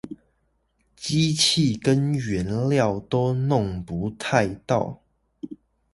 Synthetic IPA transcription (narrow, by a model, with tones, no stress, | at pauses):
t͡ɕi˦t͡ɕʰi˥˨kə˦nɥɛ˨˦nljɑ˥˨ʊt̪o˦˥ʊnʊ˥˨ŋpu˨˦t̪ʰa˥˧ɪt̪ɑ˥˨ʊ